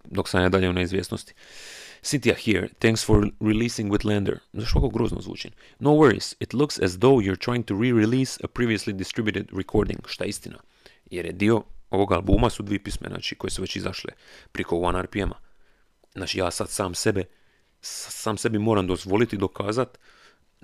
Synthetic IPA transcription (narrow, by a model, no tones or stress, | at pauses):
d̪oksanjad̪aʎeuneizʋjeːsnost̪i̥sint̪iahiɾt̪ɛ̃ŋksfoɾːiliːsĩŋɡwiðlɛnd̪ə̰ɾzaʃʋakoɡɾoːzno̰zʋṵːt͡ʃḭn | nowwɛɾḭz̥it̪lˠuksɛzd̪owjuɾt̪ɾaːjĩŋ̚t̪uɾiɾiliːsə̰pɾiːʋioslid̪ist̪ɾibjut̪ed̪ɾɛkʰoːɾd̪ḭ̃ŋɡ̥ʃt̪ajeist̪ina̰ | jeɾjed̪io̞o̞ʋo̞ɡalbuːmasud̪ʋiepismena̰ːt͡ʃiko̞jesuʋet͡ʃizaʃlḛpɾʔikouanaɾpiema̰ | znaːt͡ʃijaːsad̪saːmsebe | saːmse̞bimo̞ːɾamd̪o̞zʋo̞lit̪id̪o̞kʰaːzat̪